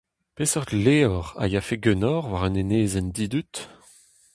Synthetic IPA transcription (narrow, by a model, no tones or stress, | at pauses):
pesœʁd̪leːɔʁa̰jafeɡønɔʁvwaʁœneneːzɛnd̪iːd̪yt̪